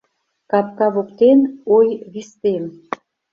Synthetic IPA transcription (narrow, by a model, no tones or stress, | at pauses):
kɑp̚kɑβokt̪enojβist̪em